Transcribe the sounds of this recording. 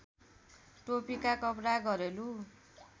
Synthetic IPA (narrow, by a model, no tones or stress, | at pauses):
ʈopikakʌpɾaɡʌɾelu